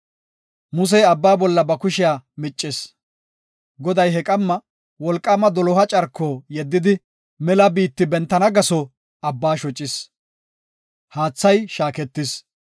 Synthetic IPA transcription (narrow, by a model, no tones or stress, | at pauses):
mʊs̬ɛjɐbːaːbɔlːɐbɐkʊʃɪjaːmɪt͡ʃʼːɪs | ɡɔd̪ɐjɦɛkʼɐmːɐ | wɔlkʼːɐːmɐd̪ɔlɔhɐt͡ʃʼɐɾkːoːjɛd̪ːɪd̪ɪ | mɛlɐbiːt̪ːɪbɛnt̪ːɐnɐɡɐsɔ | ɐbːaːʃɔt͡ʃʼːɪs | haːt͡sːɐjʃaːkɛt̪ːɪs